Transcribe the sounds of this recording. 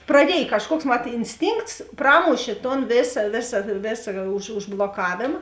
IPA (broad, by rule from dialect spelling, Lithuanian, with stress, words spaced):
prɐˈdʲiɛj kɐʃˈkuɔks mɐt ɪnʲsʲˈtʲiːŋkts ˈprɑːmʊʃʲeː toːn ˈʋʲeːsɐ ˈʋʲeːsɐ ˈʋʲeːsɐ ʊʃ ʊʒblˠoːˈkɑːʋʲeːmɐ